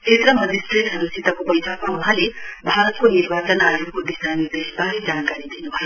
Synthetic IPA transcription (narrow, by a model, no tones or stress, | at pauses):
kʰet̪rʌmʌdist̪ritɦʌɾusit̪ʌkobʌjsʰakmawuɦãlebʱaɾʌt̪̚koniɾbat͡sʌnajukob̪isanidesbaɾid͡zankaɾid̪inubʱʌjo